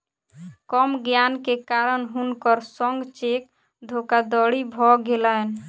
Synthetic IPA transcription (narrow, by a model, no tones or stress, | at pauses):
kɔmɡjankekaɾənɦunkəɾsəŋɡt͡ʃek̚ | d̪ʱokad̪ɔɽibʱɔɡelaen